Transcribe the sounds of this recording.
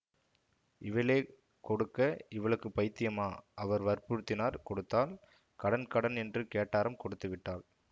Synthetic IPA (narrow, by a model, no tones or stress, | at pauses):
ɪʋɐleː | kɔɽɯkːɐɪʋɐɭɯkːɯpɐɪt̪ːɪjɐmaːʔɐʋɐɾʋɐɾpuɾɯt̪ːɪnaːɾkɔɽɯt̪ːaːl | kɐɽɐnkɐɽɐnɛndrɯkeːʈːaːɾɯmkɔɽɯt̪ːɯʋɪʈːaːl